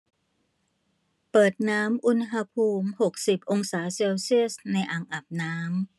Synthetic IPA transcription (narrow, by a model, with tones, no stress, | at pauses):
pɤː˨˩t̪̚naː˦˥mʔu˧˥nɦa˧pʰuː˧mho˨˩k̚si˨˩p̚ʔo˧ŋsaː˩˦seː˧wsi˥˩ə˨sna˧jʔaː˨˧˩ŋʔa˨˩p̚naː˦˥m